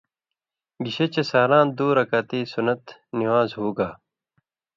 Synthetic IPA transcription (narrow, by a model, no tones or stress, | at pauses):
ɡiɕet͡ɕesaːɾãːnd̪uːɾɐkaːt̪iːsunɐt̪niwaːzɦoːɡaː